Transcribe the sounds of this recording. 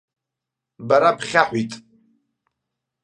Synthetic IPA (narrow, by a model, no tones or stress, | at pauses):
baɾapʰχʲaħʷitʼ